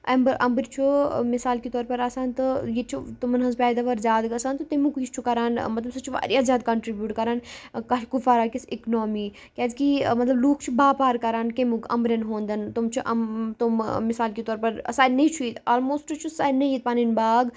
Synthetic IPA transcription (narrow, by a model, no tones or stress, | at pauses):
ɐmbɾʔɐ̰mbɾt͡ʃʰumɪsaːlkit̪ɔːɾpɐɾɐsaːnt̪ɨjet͡ʃʰut̪umɐnɦɐzpɛːd̪aːʋɐɾzaːd̪ɡɐsaːnt̪ut̪imukist͡ʃʰukɐɾaːnmɐt̪lɐbsɐt͡ʃʰuʋa̰ːɾijaːzʲaːd̪̚kɐɳʈɾibjuːʈkɐɾaːnkɐʃkufaɾaːkisiknoːmiː | kʲɛd̪kimɐt̪lɐbluːkʰt͡ʃʰubaːpaːɾkɐɾaːnkemukɐ̰mbɾʲɐnɦõːnd̪ɐnt̪umt͡ʃʰuʔɐ̰t̪ummɪsaːlkit̪ɔːɾpɐɾɐ̰saːnɐt͡ʃʰuit̪oːlmoːsʈt͡ʃʰusaːnɐjit̪̚paːninbaːɡ